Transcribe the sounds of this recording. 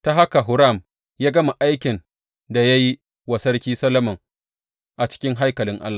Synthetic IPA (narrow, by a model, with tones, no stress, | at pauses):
ta˦ɦa˦ka˨ɦʊ˦ɾa˦˨m | jaː˦ɡɐ˦ma˨ʔa˦jkʲɪ˨n | da˨ja˦ji˦ | wɐ˨sɐ˦rkʲiː˦sɐ˦lɐ˦mɐ˨ŋ | ʔa˨t͡ʃɪ̥˦kʲɪ˦ŋɦa˦jkɐ˨lɪ˦ŋʔa̰˦lːaː˨